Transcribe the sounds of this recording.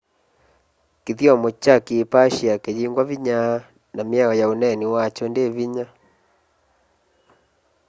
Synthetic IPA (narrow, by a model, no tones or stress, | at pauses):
kiðiamɔt͡ʃakiːpaʃiakejiŋɡwaviɲa | namiaɔjaunɛniwat͡ʃɔndeβiɲa